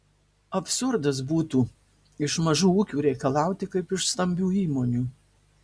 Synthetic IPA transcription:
ɐpʲsʊɾd̪ɐs̬buːt̪uː | ɪʃmɐʒuːuːkʲuːɾʲɛɪkɐlˠɑˑʊt̪ʲɪkɐɪpɪʃst̪ɐmʲbʲuːiːmoːnʲuː

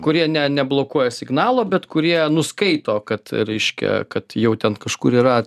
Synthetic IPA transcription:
kʊɾʲiɛnʲɛnʲɛblˠoːkuɔjɛsʲɪɡnɑːlˠoːbʲɛt̪kʊɾʲiɛnʊskɐɪt̪oːkɐt̪ɾʲɛɪʃʲkʲɛ̰kɐt̪jɛʊt̪ʲɛnkɐʃkuːɾiːɾɐ

